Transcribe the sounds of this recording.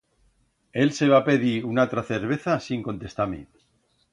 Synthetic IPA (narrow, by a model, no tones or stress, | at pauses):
e̞lse̞β̞ape̞ðiunalt̪ɾaθeɾβ̞e̞θasiŋko̞nt̪e̞st̪amḭ